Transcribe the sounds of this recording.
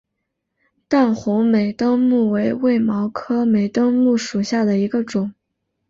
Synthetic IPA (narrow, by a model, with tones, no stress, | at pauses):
t̪a˥˩nxʊ˧˥ŋme˨˩ɪt̪ɤ˥ŋmu˥˩we˧˥ɪwe˥˩ɪmɑ˧˥ʊkʰɤ˥me˨˩ɪt̪ɤ˥ŋmu˥˩ʂu˨˩ɕja˥˩d̪ə˩i˧˥ɡə˧ʈ͡ʂʊ˨˩˦ŋ